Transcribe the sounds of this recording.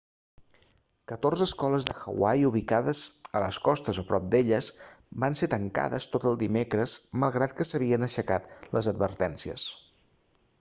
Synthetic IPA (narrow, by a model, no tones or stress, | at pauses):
kət̪orzəːskɔləzðəxə̰wajuβ̞ikaðəzələskɔst̪əzopɾɔp̚d̪eʎəzbanset̪əŋka̰ðəst̪ot̪əlˠd̪imekɾəzməlˠɣɾat̪̚kəsəβ̞iənəʃəkat̪ləzəd̪̚bəɾt̪ɛnsiə̰s